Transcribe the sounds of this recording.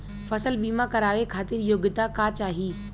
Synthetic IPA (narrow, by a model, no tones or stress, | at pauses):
fɐsəlɓiːmakɐɾaːʋekʰaːt̪ɪɾjoːɡɪt̪akat͡ɕaːɦiː